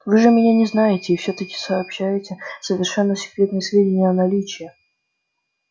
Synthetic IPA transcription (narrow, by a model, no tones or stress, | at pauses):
vɨʐɨmʲɪnʲanʲɪznajɪtʲɪːfsʲot̪əkʲɪ̥səːpɕːæjɪtʲɪsəvʲɪrʂɛnːəsʲɪ̥kɾʲet̪nəjsvʲedʲɪnʲɪjəɐnɐlʲit͡ɕɪjɪ